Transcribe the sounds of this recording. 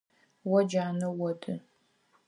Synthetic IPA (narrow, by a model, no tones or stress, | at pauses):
wɔd͡ʒaːnɐwɔdɨ